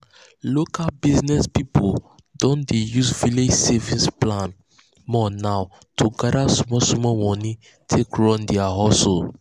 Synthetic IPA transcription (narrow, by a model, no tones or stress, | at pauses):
lokalbiznɛspipo | dɔ̃ndejuzviled͡ʒsevĩsplãn | mɔnaw | tʰuɡadasumɔsumɔmɔ̃ni | tʰekɹɔ̃ndɛaɦɔsol